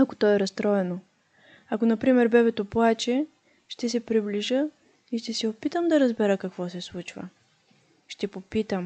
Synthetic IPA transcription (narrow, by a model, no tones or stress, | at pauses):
ɐko̥t̪ɔɛɾɐst̪ɾɔɛno | ɐkonɐpɾimɛɾbɛbɛt̪oplˠat͡ʃɛ | ʃt̪ɛsɛpɾibliʒə | iʃt̪ɛsɛopit̪əmd̪ɐɾɐzbɛɾəkɐkvɔsɛslˠut͡ʃvə̰ | ʃt̪ɛpopit̪əm